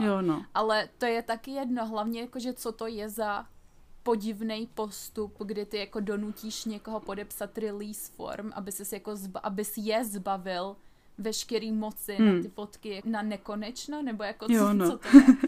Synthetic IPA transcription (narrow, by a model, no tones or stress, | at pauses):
jonoʔalɛt̪o̞jɛt̪akɪjɛdno̞ɦlavɲɛjakoʒɛt͡sot̪o̞jɛza | po̞ɟɪvnɛjpo̞st̪upɡdɪt̪ɪjako̞do̞nuciːʃɲɛkoɦopo̞dɛpsat̪ɾɪliːsfo̰ɾmʔa̰bɪsɛsjakozbʔabɪsjɛzbavɪl | vɛʃkɛɾiːmo̞t͡sɪnnat̪ɪfot̪kɪjananɛko̞nɛt͡ʃnonɛbo̞jakoonot̪oɛ